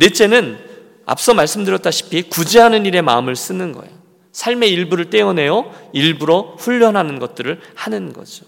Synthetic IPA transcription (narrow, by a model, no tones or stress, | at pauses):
net͡ɕʰe̞nɯn | a̰p̚s͈ʌmaɭs͈ɯmdɯɾjʌt͈̚aɕʰi̥pʰikud͡ʑeɦanɯniɾe̞ma̰ɯmɯɭs͈ɯnɯnɡʌ̰ejo | sʰaɭme̞iɭbuɾɯɭt͈e̞ʌne̞jʌiɭbuɾoɸuʎːʌnɦanɯnɡʌt̚t͈ɯɾɯɭhanɯnɡʌ̰d͡ʑo